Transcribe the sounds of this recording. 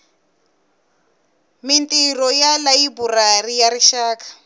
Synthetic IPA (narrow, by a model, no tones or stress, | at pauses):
mintʼirɔjalaiburarijaɾiʃaːkḁ